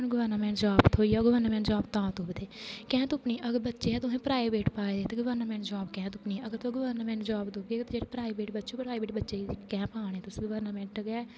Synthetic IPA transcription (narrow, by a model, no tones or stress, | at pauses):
nɡəʋəɾnəmɛ̃ːɳʈd͡ʒaːbt̪ʰoːiːɔːɡəʋəɾnmɛ̃ɳʈd͡ʒɔːbt̪ãːt̪ʊbd̪eːkɛ̃ːt̪ʊpniːʔəɡəɾbətːʃeːɛːt̪ʊsẽːpɾaːibeːʈpaːed̪eːt̪eɡəʋəɾnəmɛ̃ːɳʈd͡ʒɔːbkɛ̃ːt̪ʊpniːəɡəɾt̪õɡəʋəɾnmɛ̃ːɳʈd͡ʒɔːbd̪ʊbeːt̪d͡ʒeːɽepɾaːibeːʈbətːʃeːpɾaːibeːʈbətːʃeːkɛ̃ːpãːɳ̃eːt̪ʊsĩːɡəʋəɾnəmɛ̃ːɳʈɡaː